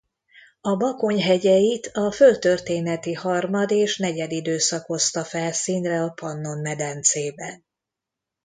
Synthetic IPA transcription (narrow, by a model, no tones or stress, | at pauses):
ɒbɒko̞ɲɦɛɟɛjit̪ʰɒfølt̪ø̞rt̪eːnɛt̪ihɒrmɒd̪eːʃnɛɟɛd̪id̪øːsɒko̞st̪ɒfɛlsiːnrɛɒpɒnːo̞nmɛd̪ɛnt̪seːbɛn